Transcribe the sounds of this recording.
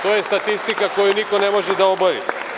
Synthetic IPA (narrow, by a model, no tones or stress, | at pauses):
t̪ojɛst̪at̪ist̪ikakɔjunikonɛmɔʒɛd̪aɔbaɾḭ